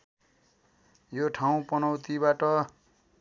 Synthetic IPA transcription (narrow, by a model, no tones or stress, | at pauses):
joʈʰaw̃pʌnʌwt̪ibaʈʌ